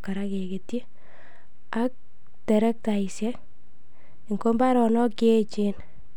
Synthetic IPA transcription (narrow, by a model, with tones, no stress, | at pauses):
ka˨ɾake˨ke˨tje˦ | a˦k̚ | tɛ˨ɾɛ˦k̚ta˨isjɛ˦k | ŋko˦mba˦ɾɔ˨nɔ˦ket͡ʃe˦n